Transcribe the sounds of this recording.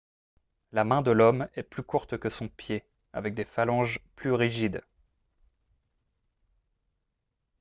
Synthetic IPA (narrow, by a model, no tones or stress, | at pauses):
lamɛ̃d̪əlɔmɛplykuʁt̪kəsɔ̃pje | a̰vɛk̚d̪efalɑ̃ʒplyʁiʒid̪